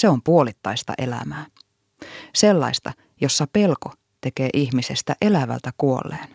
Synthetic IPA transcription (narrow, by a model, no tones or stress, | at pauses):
se̞o̞mpuo̞lit̪ːɑjst̪ɑ̰ʔe̞læ̰mæː | se̞lːɑ̰jst̪ɑ | jo̞sːɑpe̞lko̞ | t̪e̞ke̞ːʔiçmise̞st̪æʔe̞læʋæ̰lt̪ækuo̰lːḛːn